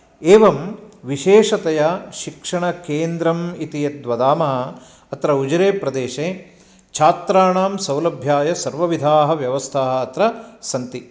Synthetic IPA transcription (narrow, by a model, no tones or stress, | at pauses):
eːʋɐmʋiʃeːʂɐt̪ɐjɐʃikʂɐɳɐkeːnd̪ɾɐmit̪ijɐt̪ʋɐd̪aːmɐɦɐ̆ | ɐt̪ɾɐud͡ʒɾeːpɾɐd̪eːʃeː | t͡ʃʰaːt̪ɾaːɳaːmsɐ̃wlɐbʱjaːjɐsɐɾʋɐʋid̪ʱaːɦɐ̆ʋjɐʋɐst̪ʰaːɦɐ̆ɐt̪ɾɐsɐnt̪i